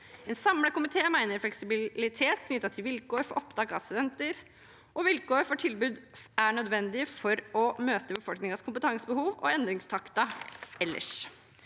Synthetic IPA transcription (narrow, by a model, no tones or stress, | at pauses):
ɛnsɑmləkʊmɪt̪ʰeːmæɪnəɾflɛksɪbɪlɪt̪ʰeːt̪kʰnʏt̪ːɑt̪ʰɪlʋɪlkʰoːɾfɔɾʔɔpd̪ɑːɡɑ̰st̪ʉd̪ɛnt̪əɾ | ʔɔʋɪlkoːɾfɔʈʰɪlbʉːd̪æɳœd̪ʋɛnd̪ɪfɔɾɔmøːt̪əbəfɔlknɪŋɑskʰʊmpət̪ʰɑŋsəbəhuːʋɔ̰ɛnd̪ɾɪŋst̪ʰɑkt̪ɑɛlːʔə̰ʂ